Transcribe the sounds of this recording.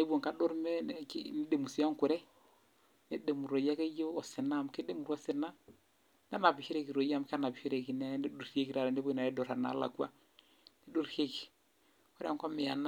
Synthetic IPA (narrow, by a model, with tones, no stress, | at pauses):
ne˦bwo˨ŋka˦do˦ɾme˦ne˦de˨mu˨si˨a˦ŋku˨ɾɛ˦ | nḛ˦de˨mu˨ɾo˨ja˦ke˦jo˦ɔ˨sɪ˨na˦˨m˨ke˦de˦mu˨ɾɔ˦sɪ˨na˦ | na˦na˨bɪ˨hi˦ɾe˦ki˨ɾo˨ja˦m˦ka˦na˨bi˨hi˦ɾe˨ki˨ne˦nde˦do˦˨˦i˦e˦ki˨ɾa˨ɾe˨nde˦bo˦i˨na˨e˦do˨ɾa˨na̰˨˦la̰˨ka˦ | ne˦do˦ɾhe˦ki˨ | kɔ˦ɾe˦a˦ŋkɔ˦mɪ˨a˨na˦